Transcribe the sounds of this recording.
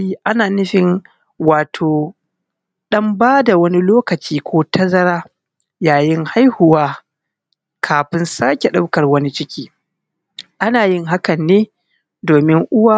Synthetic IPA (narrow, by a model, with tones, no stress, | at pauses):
i˦ʔa˦naː˨nɪ˦ɸɪ˨n | waː˨tʰoː˨ | ɗɐ˦mbaː˦da˨wɐ˦ni˦loː˦kɐ˨t͡ʃiː˦kʷʰoː˦tɐ˦zɐ˦ɾaː˦ | jaː˨jɪ˦ŋha˦jhʊ˨waː˦ | kʰaː˨ɸɪ˦nsaː˦kʲe˨ɗa˦wkɐ˨rwɐ˦ni˦t͡ʃɪ˦kʲiː˦ | ʔa˦naː˨jɪ˦ŋɦa˦kɐ˨nːeː˦ | doː˨mɪ˦ŋʔʊ˦waː˦